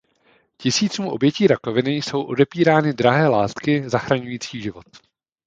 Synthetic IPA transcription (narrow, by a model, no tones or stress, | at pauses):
cɪsiːt͡suːmʔo̞bjɛciːɾako̞vɪnɪjso̞wʔo̞dɛpiːɾaːnɪdɾaɦɛːlaːst̪kɪzaxɾaɲujiːt͡siːʒɪvo̞t̪